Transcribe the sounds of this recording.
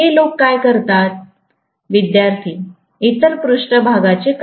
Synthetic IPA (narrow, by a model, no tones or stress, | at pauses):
elokːajkəɾt̪at̪̚ | ʋid̪jaɾt̪ʰiː | it̪əɾpɾuʂʈəbʱaɡat͡sek